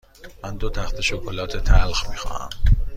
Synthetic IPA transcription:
mænd̪ot̪ʰæxt̪ʰeʃokʰolɒːt̪ʰet̪ʰælxmiːxɒ̰ːhæ̰m

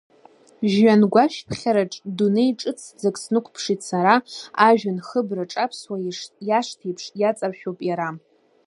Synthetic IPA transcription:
ʒːanɡʷaʃpʰχʲaɾaʈ͡ʂʼdunejʈ͡ʂʼɨt͡sʰd͡zakʼsnɨkʷʰpʰʂitʰsaɾaaʒᶣanχəbraʈ͡ʂʼapʰswajaʂtʰejpʰʂjat͡sʼarʃᶣopʼjaɾa

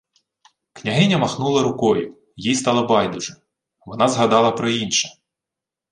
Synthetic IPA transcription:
knʲɐɦɪnʲɐmɐxnulˠɐɾʊkɔjʊ̰ | jijst̪ɑlˠɐbɑjd̪ʊʐɛ | ʋɔnɑzɦɐd̪ɑlˠɐpɾɔinʃɐ

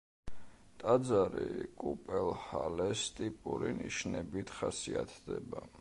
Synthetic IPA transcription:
t̪ʼad̪zaɾikʼupʼɛlhalɛst̪ʼipʼuɾiniʃnɛbit̪ʰχasiat̪ʰd̪ɛba

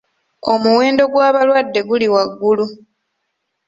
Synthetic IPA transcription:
o̞muwe̞ːndo̞ɡwaːβalwadːe̞ɡuliwaɡːulu

